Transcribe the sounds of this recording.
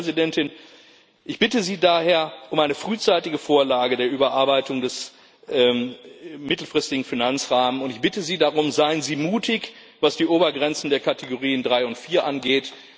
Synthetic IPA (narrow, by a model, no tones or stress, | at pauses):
zidɛntɪn | ʔɪçb̥ɪtəziːdaːɦeːɐʔʊmʔaɪnəfʁ̥yːt͡saɪtɪɡəfoːɐlaːɡədeːɐʔyːbɐʔaɐbaɪtʊŋdɛs | ʔː | mɪtl̩fʁ̥ɪstɪɡŋ̩finant͡sʁaːmənʊntɪçb̥ɪtəziːdaʁʊmzaɪənziːmuːtʰɪç | vasd̥iːʔoːbɐɡʁɛnt͡sn̩deːɐkateɡoʁiːəndʁaɪʊntfiːɐʔanɡeːt